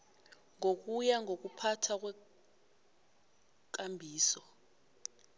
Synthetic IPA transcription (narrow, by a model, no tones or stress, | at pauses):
ŋok̬ujaŋʱok̬upʰatʰak̬wɛ | k̬ambʱiːsɔ